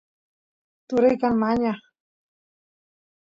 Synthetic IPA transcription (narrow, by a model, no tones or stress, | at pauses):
t̪ʊɾɪjkanmaɲaχ